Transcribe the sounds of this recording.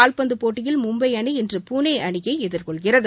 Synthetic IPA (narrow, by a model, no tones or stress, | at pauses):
aːlpɐnd̪ɯpoːʈːɪjɪlmʊmbɐɪɐɳɯɛndrɯpuːneːʔɐɳɪɣɐɪɛðɪrkɔɭɣɪrɐðɯ